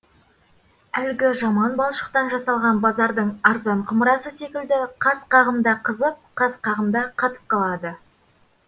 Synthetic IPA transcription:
ælɡʲɪʒɑmɑnbɑlˠʃə̥q̚t̪ɑnʒɑsɑlˠʁɑnbɑzɑɾd̪əɴɑɾzɑɴqʰʊməɾɑsəsekʲɪld̪ɪqʰɑsqɑʁəmd̪ɑqʰəzəp̚qʰɑsqʰɑʁəmd̪ɑqʰɑt̪ə̥p̚qʰɑlˠɑd̪ə

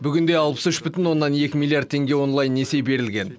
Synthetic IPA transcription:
bʏɡʲɪnd̪e̞jɑlˠpə̥sʏʃbʏt̪ɪnwo̞nːɑnje̞kʲɪmilˠiard̪̚ʰe̞ŋɡʲe̞wo̞nlˠɑjnːese̞jbe̞ɾɪlɡʲe̞n

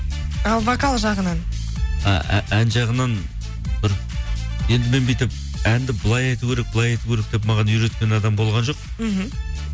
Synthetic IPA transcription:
ɑlˠvokalˠʒɑʁənɑn | ɑ̰ʔæ̰ʔænʒɑʁənɑn | tɪɾ | je̞nd̪ɪme̞nbijt̪ɪp̚ | ænd̪ɪbɪlˠɑjɑjt̪ukʲʰe̞ɾe̞k̚bɪlˠɑjɑjt̪ukʲeɾe̞k̚d̪̥e̞p̬mɑʁɑnʒʏɾe̞t̪kʲe̞nɑd̪ɑmbo̞lˠʁɑnʒo̞q | m̩ɦm̩

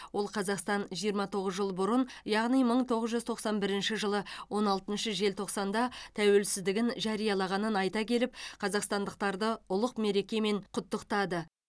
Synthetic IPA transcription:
wo̞lˠqʰɑzɑqst̪ɑnʒijəɾmɑt̪ʰo̞ʁəzʒəlˠəbʊɾənjɑʁnijməɴt̪ʰo̞ʁəzʒʏzt̪ʰo̞qsɑnbɪɾɪnʃɪʒəlˠəwo̞nɑlˠt̪ənʃəʒe̞lt̪ʰo̞qsɑnd̪ɑt̪ʰæwe̞lsɪzd̪ɪɡʲɪnʒɑɾijɑlˠɑʁɑnənɑjt̪ɑkʲʰe̞lɪp̚qʰɑzɑqst̪ɑnd̪əq̚t̪ɑɾd̪əʊlˠəqme̞ɾe̞kʲe̞me̞ɴqʰʊt̪ːəqt̪ɑd̪ə

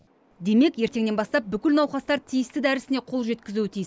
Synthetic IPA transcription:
d̪e̞me̞kje̞ɾt̪e̞ŋne̞nbɑst̪ɑp̚bʏkʲɪlnɑwχɑst̪ɑɾt̪ʰijɪst̪ɪd̪æɾɪsɪne̞qʰo̞lˠʒe̞t̪kʲɪzuɪt̪ʰijɪs

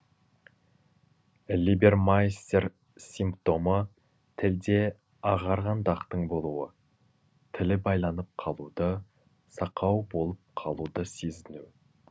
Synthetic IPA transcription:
libe̞rmajst̪ʲe̞ɾ | simpt̪o̞mə | t̪ʰɪld̪e̞ | ɑʁɑɾʁɑnd̪ɑqt̪əɴbo̞lˠuwə | t̪ʰɪlɪbɑjlˠɑnəp̚qʰɑlˠud̪ə | sɑqɑwbo̞lˠəp̚qʰɑlˠud̪əse̞zɪnu

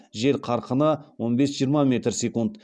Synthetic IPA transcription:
ʒe̞ɾqʰɑɾqənəwo̞nbe̞sʒijəɾmɑme̞t̪rsʲe̞kund̪

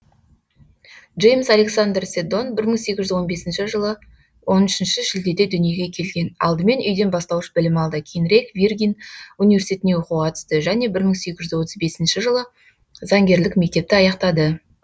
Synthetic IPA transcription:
ʒe̞jmsale̞ksand̪rse̞d̪o̞nbɪɾməɴse̞kʲɪʒʏɪzwo̞nbe̞sɪnʃɪʒəlˠə | wʔo̞nʏʃɪnʃɪʒɪld̪e̞d̪e̞d̪ʏnije̞ɡʲe̞kʲʰe̞lɡʲe̞nɑ̰lˠd̪əme̞nʔʏjd̪e̞nbɑst̪ɑwəʃbɪlɪmɑlˠd̪əkʲʰenɾekvʲirɡʲijnunivʲe̞rsʲit̪et̪newo̞quqʰɑt̪ə̥st̪əʒæne̞bɪɾməɴse̞kʲɪʒɪzwo̞t̪əzbe̞sɪnʃɪʒəlˠə | zɑŋɡʲe̞ɾlɪkme̞k̚t̪e̞p̚t̪ɪɑjɑqt̪ɑd̪ə

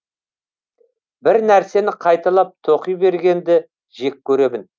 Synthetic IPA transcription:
bɪɾnæɾse̞nɪqʰɑjt̪ɑlˠɑp̚t̪ʰo̞qijbe̞ɾɡʲe̞nd̪ɪ | ʒe̞kʲʰːɵɾe̞mɪn

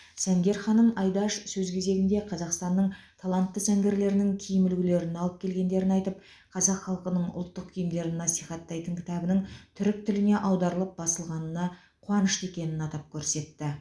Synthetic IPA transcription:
sæŋɡʲe̞ɾχɑnəmɑjd̪ɑʃsɵzkʲʰe̞ze̞ɡʲɪnd̪e̞qʰɑzɑqst̪ɑnːəɴt̪ʰolˠɑnt̪ːəsæŋɡʲe̞ɾle̞ɾɪnɪŋkʲʰijɪmɪlɡʲɪle̞ɾɪnɑlˠəp̚kʲʰe̞lɡʲe̞nd̪e̞ɾɪnɑjt̪əp̚ | qʰɑzɑqχɑlˠqənəɴʊ̰lˠt̪ːəq̚kʲʰijɪmd̪e̞ɾɪnːɑsiχɑt̪ːɑjt̪əŋkʲʰɪ̥t̪ɑbənəɴt̪ʰʏɾɪk̚t̪ʰʏlɪne̞ʔɑwd̪ɑɾəlˠəp̚bɑsəlˠʁɑnənɑ | qʰʊɑnəʃt̪e̞kʲe̞nɪnɑt̪ɑp̚kʲʰɵɾse̞t̪ːɪ

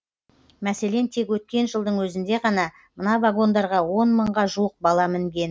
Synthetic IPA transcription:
mæse̞le̞nt̪ʰe̞kwɵt̪̚kʲe̞nʒəlˠd̪əɴwɵzɪnd̪e̞ʁɑnɑ | mənɑvaɡo̞nd̪ɑɾʁɑwo̞nməɴʁɑʒuəq̚bɑlˠɑmɪŋɡʲe̞n

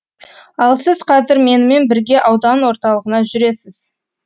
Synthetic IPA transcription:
ɑlˠsɪzqʰɑzɪɾme̞nɪme̞nbɪɾɡʲe̞ʔɑwd̪ɑnwo̞ɾt̪ɑlˠəʁənɑʒʏɾe̞sɪz̥

